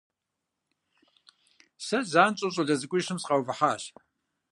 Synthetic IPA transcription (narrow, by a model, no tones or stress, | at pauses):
sɐzaːnt͡ʃʼoɕʼɐɮɐzɨkʷʼʊʂɨmsqawvɨħaːɕ